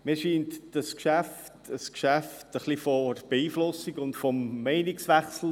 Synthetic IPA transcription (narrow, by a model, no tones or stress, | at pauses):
miːʃiːntd̥ɑskʃæftəskʃæftəχlifɔɾb̥eiːflʊsiɡʊntfɔmːɛɪnɪksʋæχsl̩